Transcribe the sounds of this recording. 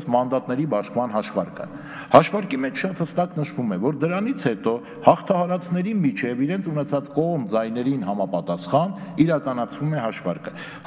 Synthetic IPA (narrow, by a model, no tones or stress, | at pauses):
smɑnd̪ɑt̪nɛɾibɑʃkmɑnɦɑʃvɑɾkʰə̰ | hɑʃvɑɾkimɛt͡ʃʰʃɑt̪həst̪ɑknəʃvumɛvɔɾd̪əɾɑnit͡sʰhɛt̪ɔ | hɑχt̪ʰɑhɑɾɑt͡sʰnɛɾimit͡ʃʰɛviɾɛnt͡sʰunɛt͡sʰɑt͡skɔʁmd͡zɑjn̪ɛɾinɦɑmɑpɑt̪ɑsχɑn | iɾɑkɑnɑt͡sʰvumɛɦɑʃvɑ̰ɾkə